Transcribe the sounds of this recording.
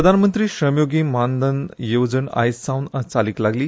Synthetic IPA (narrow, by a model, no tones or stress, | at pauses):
əd̪ʱanmənt̪ɾiːɕəmjoɡiːmand̪ənjewd͡zəɳa̰jst͡sawnat͡saliːklaɡliː